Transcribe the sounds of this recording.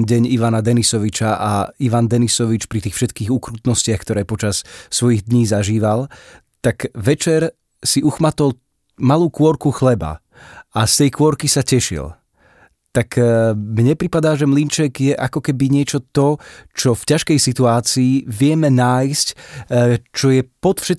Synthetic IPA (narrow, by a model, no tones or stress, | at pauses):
nɟɛɲiʋanad̪ɛnisɔʋit͡ʃaʔaiʋand̪ɛnisɔʋit͡ʃpɾit̪iːxfʃɛt̪kiːɣukɾuːt̪nɔscɪaxkt̪ɔɾɛːpɔt͡ʃassʋɔjiɣd̪ɲiːzaʒiːʋal | t̪akʋɛt͡ʃɛɾ | siʔuxmat̪ɔl | maluːkʊɔɾkuxlɛba̰ | ast̪ɛjkʋʊɔɾkisacɛʃḭl | t̪akmɲɛpɾipad̪aːʒɛmlint͡ʃɛɡjɛʔakɔkɛbiɲɪɛt͡ʃɔt̪ɔt͡ʃɔfcaʃkɛjsit̪uaːt͡siːʋɪɛmɛnaːjsc | t͡ʃɔjɛpɔt̪fʃɛt̪